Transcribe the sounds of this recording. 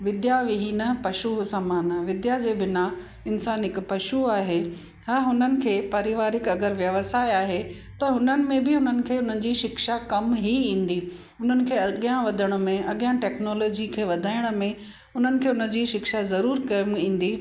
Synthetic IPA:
ʋɪd̪jaʋɪɦinəpɐʃusaːmaːnʋɪd̪jad͡ʑeːbɪna | ɪnsaːnɪkpɐʃuaːɦe | ɦaɦʊnənɪ̆kʰeːpɐɾɪʋaːɾɪkɐɡəɾʋjɐʋəsaːeaːɦe | t̪ɐɦʊnənɪ̆mẽbɪɦʊn̤ənɪ̆kʰeːʊn̤ənɪ̆d͡ʑiːʃɪkʃakɐmɦiĩːn̆d̪i | ʊn̤ənɪ̆kʰeːɐɠjãʋɐd̪ʱəɽ̃ʊ̆mẽʔɐɠjãʈɛːknoːlɔːd͡ʑikʰeːʋɐd̪ʱaːɪɽ̃ʊ̆mẽ | ʊn̤ənɪ̆kʰeːʊnə̆d͡ʑiːʃɪkʃazɐɾuːɾkɐmĩːn̆d̪iː

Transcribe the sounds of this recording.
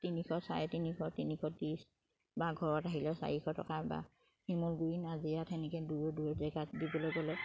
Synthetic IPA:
tinixʰɔsa̰ɹɛtinikɔtinikʰɔtis | baɡʱɔɹɔtaɦilɔsa̰ɹixʰɔtɔkaba̰ | himulɡuɹinazijatʰɛnikɛduɹɔduɹzɛɡatdibɔlɔjɡɔlɛ

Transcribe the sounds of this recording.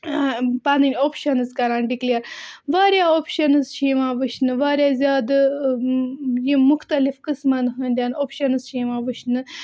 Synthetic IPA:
panɨnʲoːpʃɐnɨzkɐɾanɖikliɐɾʋaːɾjaopʃɐnɨzʃiʋãʋɨʃnɨʋaːɾʲjazʲjaːd̪ | jimuxt̪ɐlifkɨsmanɦɐ̃nd̪ʲanopʃɐnɨsʃiːʋãʋɨʃnɨ

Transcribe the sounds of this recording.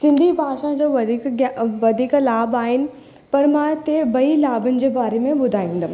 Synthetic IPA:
sɪ̃nd̪ʱibʱaːʃãd͡ʑoːʋɐd̪ikɡjaʋɐd̪ʱiklaːbaːɦɪnɪ̆ | pɐɾmãt̪ebɐilaːbənɪ̆d͡ʑeːbaːɾemẽbʊd̪ʱaːĩːnd̪a

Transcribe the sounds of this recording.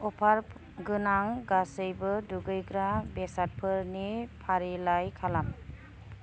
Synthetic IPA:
ɔpʰaɾ | ɡɯnaŋɡasɯjbɯduɡɯjɡɾabesat̚pʰɯɾnipʰaɾilajkʰalam

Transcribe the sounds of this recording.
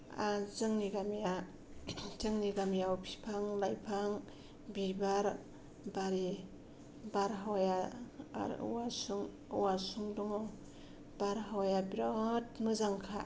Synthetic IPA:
azɯŋniɡamja | zɯŋniɡamijawpʰi̥pʰaŋlajpʰaŋ | bibaɾ | baɾi | baɾɦawja̰ | ɾ̰wasuŋ | wasuŋdɔŋaw | baɾɦawjabɾɔtmɯzaŋkʰa

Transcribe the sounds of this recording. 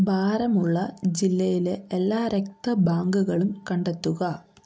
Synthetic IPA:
bʱaːɾɐmuɭːɐd͡ʑilːɐjileelːaːɾek̚t̪ɐbaːŋɡuɣɐɭumkɐɳɖet̪ːuɣɐ

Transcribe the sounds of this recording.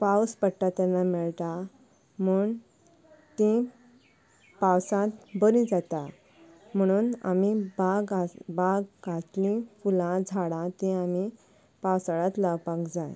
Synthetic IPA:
pawspəɽʈːat̪ɛɾnamɛɭt̪a | m̤uːɳ | t̪ĩ | pawsãt̪bəɾĩd͡zat̪a | m̤əɽ̃uːna̰mibaɡabaɡɡat̪lĩfulãd͡zʱaɽãt̪ĩami | pawsaɽat̪laʋpakd͡zaj

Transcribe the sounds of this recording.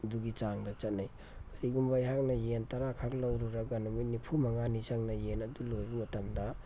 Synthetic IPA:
duɡit͡ʃaŋdɐt͡ʃɐt̚naj | kɐɾiɡumbajɦak̚nɐjentɐɾakʰak̚lɐwɾuɾɐɡanumujnipʰumɐŋanizaŋnɐjenɐdulojbimɐtɐmdɐ

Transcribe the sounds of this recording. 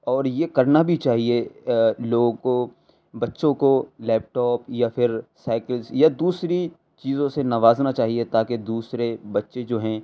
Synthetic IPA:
ɔːɾjeːkɐɾnabʱit͡ʃaːɦieloːɡõko | bɐtːʃõkolɛːp̚ʈɔːpjafɪɾsaːkəlsjad̪uːsɾi | t͡ʃiːzõsenɐʋaːznat͡ʃaːɦiet̪aːked̪uːsɾebɐtːʃed͡ʒoːɦɛ̃ː

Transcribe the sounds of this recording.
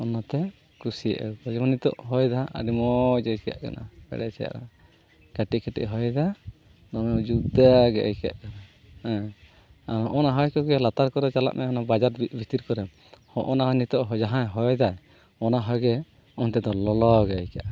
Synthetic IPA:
ɔnat̪ɛ | kɾusḭʔɛ̰bɔd͡ʒɔmanit̪ɔ̰ʔɦɔjd̪aʔa̰ɖimɔd͡ʒɔjka̰ʔka̰na̰bɛ̰ɽɛsɛ̰ja̰ʔɾa̰ | ɡ̥aʈiʔkʰɛʈɛ̰ʔɦɔjd̪a | nɔmɛd͡ʒuɡd̪aɡɛ̰ʔɛjka̰ʔkana | hɛ̃ | aɾɔʔɔnaɦɔjkɔɡɛlat̪aɾkɔɾɛt͡ʃala̰ʔmʔaɔnabad͡ʒaɾbʱit̪iɾkɔɾɛ | hɔʔɔnanit̪ɔʔɦɔd͡ʒaɦãjɦɔjd̪aj | ɔnaɦɔjɡɛ | ɔnt̪ɛd̪ɔlɔlɔɡɛjkaʔ

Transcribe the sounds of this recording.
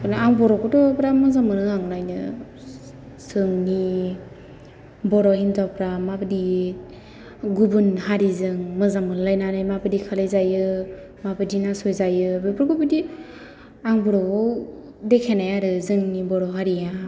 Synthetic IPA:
pɯnɯaŋbɔɾɔkɔtɔpɾamɯzamɯnɯaŋnajnɯ̰ | zɯŋni | bɔɾɔintapɾamabɯdi | ɡubunɦaɾizɯŋmɯzamɯnlajnanajmabɯdikʰalejzajɯ | mabɯdinasɔjzajɯbɯpɾkɔbɯdi | aŋbɔɾɔɔw | dekʰenajaɾɯzɯŋnibɔɾɔɦaɾija

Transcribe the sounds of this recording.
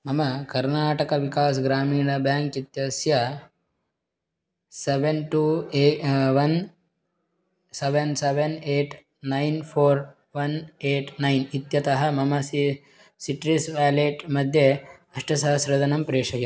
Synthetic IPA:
mɐmɐkɐɾnaːʈɐkɐʋikaːsɡɾaːmiːɳɐbjaːŋkit̪jɐsjɐ | seʋenʈuːeʋɐn | seʋenseʋeneːʈ | nɐjnpʰoːɾ | ʋɐneːʈnɐjnit̪jɐt̪ɐɦɐ̆mɐmɐs | siʈɾisʋaːleʈmɐd̪ʱje | ɐʂʈɐsɐɦɐsɾɐd̪ʱɐnɐmpɾeːʂɐjɐ

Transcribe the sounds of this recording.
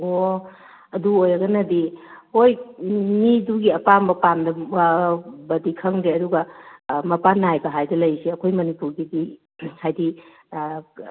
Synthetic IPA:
o | ɐduojɐɡɐnɐdihojmiduɡiɐpambɐpamdɐ | bɐdikʰɐŋɾeɐduɡɐmɐpanajbɐɦajdɐlɐjsiɐkʰojmɐnipuɾɡidi | hajdi

